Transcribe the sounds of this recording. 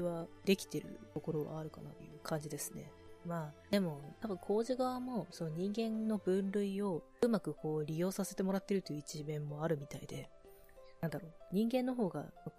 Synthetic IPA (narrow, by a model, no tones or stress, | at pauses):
iβad̪e̞kʲi̥t̪e̞ɾɯ̟̰t̪o̞ko̞ɾo̞βa̰ːɾɯ̟ka̰na̰t̪o̰jɯ̟ːkʰãɲ̟d͡ʑid̪e̞sɨ̥ne̞̰ | maːd̪e̞mo̞t̪abɯ̟kʰo̞ːʑiɡaβamo̞so̞no̞ɲ̟ĩŋɡẽ̞nno̞bɯ̟̃nɾɯ̟io̞ | ɯ̟makɯ̟ko̞ːɾʲijo̞ːsase̞t̪e̞mo̞ɾat̪ːe̞ɾɯ̟t̪ojɯ̟it͡ɕimẽ̞mːo̞aɾɯ̟mʲit̪aḭd̪e̞ | nãnd̪aɾo̞ːɲ̟ĩŋɡẽ̞nːo̞ɦo̞ːɡa̰no